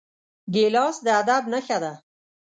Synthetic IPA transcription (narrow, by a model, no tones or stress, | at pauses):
ɡelɑsd̪əad̪abnəxad̪a